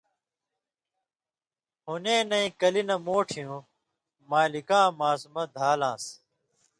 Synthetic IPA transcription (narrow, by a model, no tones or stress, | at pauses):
hunẽːnɐĩkɐlinɐmoːʈʰijũ | maːlikãːmaːsmɐd̪ʱaːlãːs